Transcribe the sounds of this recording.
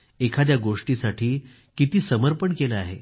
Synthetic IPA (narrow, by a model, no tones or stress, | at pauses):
ekʰat̪̬jaɡoʂʈisaʈʰiː | kit̪iːsəməɾpəɳkeləaɦḛ